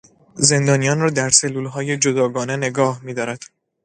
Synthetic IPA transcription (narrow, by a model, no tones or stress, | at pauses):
ze̞nd̪ɒːnijɒːnrɒːd̪æɾse̞lːuːlɦɒːje̞d͡ʒod̪ɒːɡɒːne̞ne̞ɡɒːhmiːd̪ɒːɾæd̪̥